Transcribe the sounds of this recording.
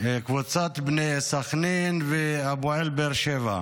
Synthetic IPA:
kvut͡sat̪bnejsaxninveabuʕelbeɾʃeva̰

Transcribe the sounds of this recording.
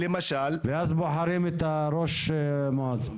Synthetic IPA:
lemaʃalveʔazboħaɾimet̪aɾoʃmod̪

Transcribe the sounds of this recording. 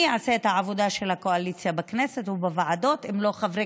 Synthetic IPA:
ʕaseet̪haʕavo̞d̪aʃelhako̞alit͡sjabakneset̪ubavaʕad̪o̞t̪emlo̞χavʁe

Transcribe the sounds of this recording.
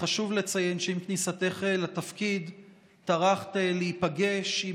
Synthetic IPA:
aʃuvle̞t͡saje̞nʃeimknisate̞χelat̪afkid | taʁaχt̪eleipaɡe̞ʃi

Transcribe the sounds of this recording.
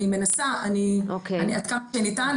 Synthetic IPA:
imenasaʔaniokeaniad̪kaʃenitan

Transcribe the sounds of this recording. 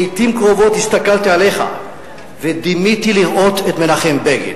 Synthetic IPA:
it̪imkʁo̞vo̞t̪hist̪akalt̪iale̞χa̰ | ved̪imit̪iliʁʔo̞t̪et̪me̞laχe̞mbeɡḛl

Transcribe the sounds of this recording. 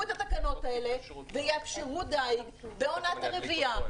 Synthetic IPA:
et̪at̪akano̞t̪ae̞le̞ | vejeafʃeʁud̪ajɡbe̞o̞nat̪aʁevia

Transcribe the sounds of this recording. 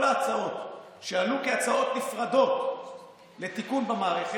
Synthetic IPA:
laːt͡sao̞t̪ | ʃealukeat͡sao̞t̪nifʁad̪o̞t | le̞t̪ikunbamaːʁeχe

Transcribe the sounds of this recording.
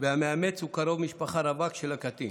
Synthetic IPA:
veameame̞t͡shukaɾo̞vmiʃpaχaɾavakʃelakat̪ḭ

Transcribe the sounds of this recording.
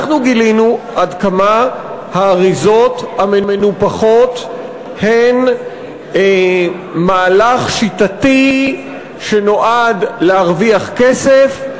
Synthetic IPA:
χnuɡilinuʔadkama | haːʁizo̞thamemenupaχo̞t | hen | maːlaχʃitati | ʃeno̞ʔadlehaʁviaχkesef

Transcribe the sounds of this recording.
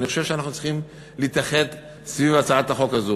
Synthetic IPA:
nixoʃe̞vʃeanaχnut͡si̥χim | liːt̪aχe̞t̪ | svivat͡saat̪aχo̞kazu

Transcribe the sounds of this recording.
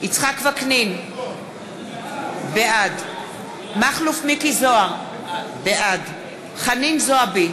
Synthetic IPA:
it͡sχakvaknin | beʔad | maχlufmikizoaʁ | beʔad | χaninzoabi

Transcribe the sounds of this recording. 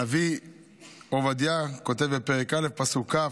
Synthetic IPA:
avi | ovad̪jako̞te̞vbepeʁekalefpasuka

